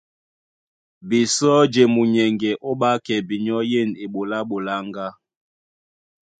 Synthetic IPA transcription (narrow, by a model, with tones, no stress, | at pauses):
bi˨sɔ˦d͡ʒe˨mu˨ɲɛ˨ŋɡɛ˨ʔo˦ɓa˦kɛ˨bi˨ɲɔ˦je˦˨ne˨ɓo˨la˦ɓo˨la˦ŋɡa˦